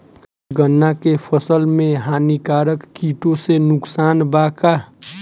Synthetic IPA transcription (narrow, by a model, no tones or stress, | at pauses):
ɡənːakepʰəsəlmẽɦaːnikaːɾəkːiːʈõsenʊksaːnbaːka